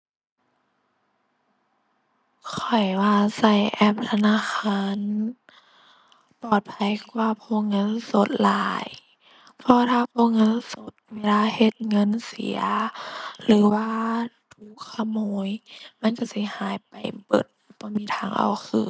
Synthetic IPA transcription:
kʰɔ˨˩jwaː˧sa˧˩jʔɛ˧˩p̚t̪ʰa˧naː˧˥˨xʰaː˧˥˨n | pɔː˨˩t̪̚pʰa˧˩˨jkwaː˧pʰoː˧˥˨ŋɤ˧˥˨nso˧˦t̪̚laː˨˧˦j | pʰɔ˧t̪ʰaː˧pʰoː˧˥ŋɤ˧˥˨nso˧˦t̪̚weː˧˥˨laː˧˨he˧˦t̪̚ŋɤ˧˥˨nsḭ˨˦ɐ | lɯː˨˦waː˧t̪ʰu˧˦kʰːa˧˨moː˧˦jma˧˥˨nka˧˩si˧˦haː˨˦jpa˨˩jbɤ̰˨˩t̪̚b̥ɔː˧˦miː˧˥t̪ʰaː˧˩ŋʔa̰˨˩wkʰɯː˧˩

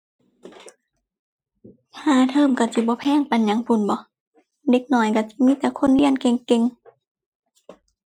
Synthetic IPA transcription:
t̪ʰaː˧t̪ʰɤː˧˨mka˧˩si˧˦bɔː˧˦pʰɛː˧˥˨ŋpa˧˨nɲa˨˧˦ŋpʰu˧˩˦nbɔ˧˦ | de˧˦k̚nɔː˧˦jka˧˩si˧˦miː˧˥˨t̪ɛː˧˦kʰo˧˥˨nli˧˥˨ənke˧ŋke˧ŋ

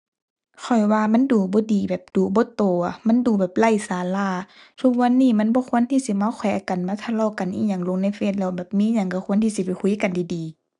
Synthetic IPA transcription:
kʰɔ˨˩jwaː˧ma˧˥˨nduː˨˩bɔː˧˦diː˨˩bɛː˨˩p̚d̥uː˨˩bɔː˧˦t̪oː˨˩˨ma˧˥˨nduː˨˩bɛː˨˩p̚la˧˩˨jsaː˨˦laː˧˩˨ | t̪ʰu˧˩k̚wa˧˥˨nːiː˧˨ma˧˥˨nbɔː˧˦kʰu˧˥ə˨nt̪ʰiː˧˨si˧˦ma˧˥˨wkʰwɔ˨˧˦jʔa˧˨ka˨nmaː˧˦t̪ʰa˧lɔː˧˩˨ka˨nʔiː˧˥ɲa˧˩ŋlo˧˦ŋna˧˥˨jfe˧˨n̚lɛ˧˩wbɛː˨˩p̚miː˧˥˨ɲa˧˩ŋka˧˩kʰu˧˥˨nt̪ʰiː˧˨si˧˩pɛ˨jkʰu˧˦jka˨ndiː˨diː˨

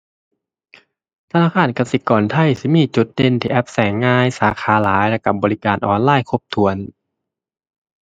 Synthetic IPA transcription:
t̪ʰa˧naː˧˥˩kʰaː˧˥˩nka˧˩si˧˩kɔː˨˩nt̪ʰa˧˩jsi˧˦miː˧˥˨t͡ɕu˨˦t̪̚de˧˨nt̪ʰiː˧˩ʔɛ˧˩p̚sɛː˨˦ŋːaː˧jsaː˨˦xʰaː˨˦laː˨˦jlɛ˧˩ka˧˩bɔː˨li˦˧kaː˨˩nʔɔː˨˩nlaː˧˥˩jkʰo˧˥p̚t̪ʰu˨˩˦ən

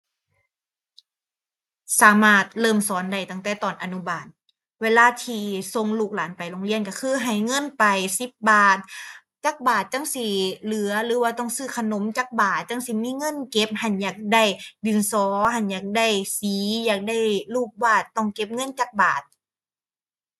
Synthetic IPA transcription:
saː˨˦maː˧˩t̪̚lɤː˧˥˩msɔː˨˦nda˧˩jt̪a˧˩ŋt̪ɛː˧˩t̪ɔː˨˩nʔa˧nu˧˥˨baː˨˩t̪̚ | weː˧˨laː˧˨t̪ʰiː˧so˧ŋluː˧˩k̚laː˨˦npa˨jloː˧ŋli˧˥˨ənka˧˩kʰɯː˧˩˨ɦa˨˩jŋɤ˧˥˨npa˨jsi˧˦p̚baː˨˩t̪̚ | t͡ɕaː˧˩k̚baː˨˩t̪̚t͡ɕa˧˥˨ŋsi˧˩lɯ˨˦ɐlɯː˨˦waː˧t̪ɔ˧˩ŋsɯː˧˩kʰa˧no˨˦mt͡ɕaː˧˩k̚baː˨˩t̪̚t͡ɕa˧˥˨ŋsi˧˦miː˧˥˨ŋɤ˧˥˨nke˧˦p̚ha˧˩njaː˧˩k̚da˧˩jdɯ˨˩nsɔː˨˦ha˧˩njaː˧˩k̚da˧˩˨jsiː˨˦jaː˧˩k̚da˧˥˩jluː˧˩k̚baː˧˩t̪ːɔ˧˩ŋke˧˦p̚ŋɤ˧˥˨nt͡ɕaː˧˩k̚baː˨˩t̪̚

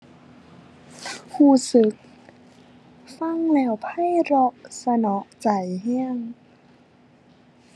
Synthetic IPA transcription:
huː˧˩sɯ˨˦k̚ | fa˧˥˩ŋlɛː˧˩wpʰa˧˥˨jɾɔ˧ʔsa˧nɔ˨˦ʔt͡ɕa˨˩jhɛː˧˥˩ŋ

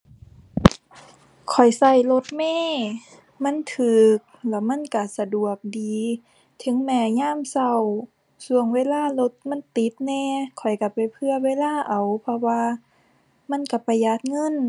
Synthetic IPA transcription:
kʰɔ˨˩jsa˧˩jlo˧˦t̪̚mɛː˧˥˨ | ma˧˥˨nt̪ʰɯː˨˩k̚lɛ˧˩ma˧˥˨nka˧˩sa˧du˨˩ək̚diː˨ | t̪ʰɯ˨˦ŋmɛː˧˩ɲaː˧˥˨msa˧˩w | su˧əŋweː˧˨laː˧˥˨lo˧˦t̪̚ma˧˥˨nt̪i˨˦t̪̚nɛː˧˨kʰɔ˨˩jka˧˩pa˨˩jpʰɯ˧ɐweː˧˥˨laː˧˥˩ʔa˨˩wpʰɔ˧waː˧ | ma˧˥˨nka˧˩pa˨˩jːa˧˦t̪̚ŋɤ˧˥˨n

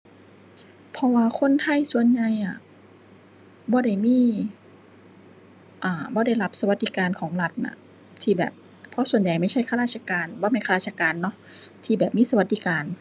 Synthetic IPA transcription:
pʰɔ˧waː˧kʰo˧˥˨nt̪ʰa˧˥˩jsu˧ənɲa˨˧jʔa˧˩ | bɔː˧˦ɾa˧˩jmiː˧˥˨ | ʔaː˨˩bɔː˧˦da˧˩jla˦˧˥p̚sa˧wa˧t̪̚d̪i˧kaː˨˧nkʰɔː˩˦ŋla˧t̪̚na̰˧˩ | t̪ʰiː˧˩bɛ̰ː˨˩p̚ʰː | ɔ˧˥su˨˩ənja˨˩jma˥˩jt͡ɕʰa˥˩jkʰa˧ɾaː˧˩t̪̚t͡ɕʰa˧kaː˨˧nbɔː˧˦ma˧˩kʰa˧a˧˩a˧kaː˨nːɔ˧˥ | t̪ʰiː˧˩bɛː˨˩p̚miː˥˨sa˧wa˧˦t̪̚d̪iː˧kaː˨n

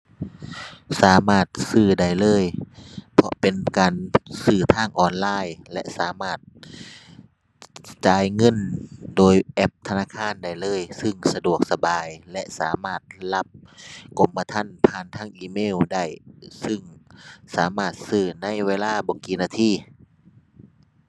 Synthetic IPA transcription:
saː˨˦maː˧˩t̪̚sɯː˧˩da˧˩˨jlɤː˧˥˨jpʰɔ̰˧pe˨nkaː˨nsɯː˧˩t̪ʰaː˧˥˩ŋʔɔː˧˩nlaː˧˩˨jlɛ˧ʔsaː˨˦maː˧˩t̪̚ | t͡ɕaː˨˧˦jŋɤ˧˥˨ndoː˨˩jʔɛ˧˥p̚t̪ʰa˧naː˧˥˩kʰaː˧˥˨nda˧˩jlɤː˧˥˨jsɯ˧˩ŋsa˧du˨˩ək̚sa˧baː˨jlɛ˧˥ʔsaː˨˦maː˧˥˩t̪̚la˧˥p̚ko˨˧˩mpa˧t̪ʰa˧˥˨npʰaː˧˨nt̪ʰaː˧˥˩ŋʔiː˧˩meː˧˥˨wda˧˩jsɯ˧˩ŋsaː˨˦maː˧˩t̪̚sɯː˧˩na˧˥˨jweː˧˨laː˧˥˨bɔː˨kiː˨˩naː˧˩t̪ʰiː˧˩˨

